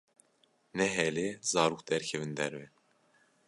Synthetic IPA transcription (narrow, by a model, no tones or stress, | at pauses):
nɛɦɛlezɑːɾukd̪ɛɾkʰɛvɨnd̪ɛɾvɛ